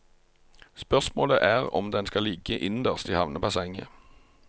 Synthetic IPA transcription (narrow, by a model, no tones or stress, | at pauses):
spœʁsmoːlə̰ʔæːʁɔ̰md̪ɛnskɑliːkəʔɪnd̪əʁst̪iːhɑʋnəpɑsɛŋə̰